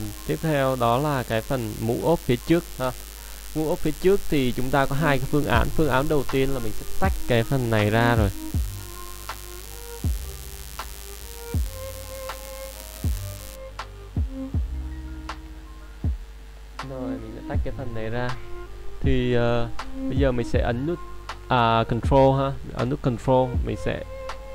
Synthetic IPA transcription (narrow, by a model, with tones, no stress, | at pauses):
t̪i˦˥əp̚t̪ʰɛ˧wɗɔ˨˦laː˨˩kaː˨˦jfə˨˩nmṵ˧˥ʔo˦˥p̚fi˨˦t͡ɕɨ˦˥ək̚həː˨˧˩ | mṵ˧˥ʔo˦˥p̚fi˨˦t͡ɕɨ˦˥ək̚t̪ʰi˨˩t͡ɕʊ˨˦ŋ͡mt̪aː˧kɔ˨˦ɦaː˧jkaː˨˦jfɨ˧əŋʔa̰ː˨˦nfɨ˧əŋʔaː˨˦nɗə˨˩wt̪i˧ənlaː˨˩m˨˩sɛ̰˧˥t̪a˦˥jk̟̚kaː˨˦jfə˨˩nːa˨˩jzaː˧zo˨˩j | no˨˩jmï̟˨˩sɛ̰˧˥t̪a˦˥k̚kaː˨˦fə˨˩nːa˨˩jzaː˧t̪ʰi˨˩ʔəː˨˩ɓə˧jzəː˨˩mï̟˨˩sɛ̰˧˥ʔə˨˦nzu˦˥t̚ʔəː˨˩kɔ˨˩ntɹo˧ɦaː˧i˨˩ʔə̰˧˩˦nzu˦˥t̚kɔ˨˩ntɹo˧mï˨˩ŋ̟sɛ̰˧˥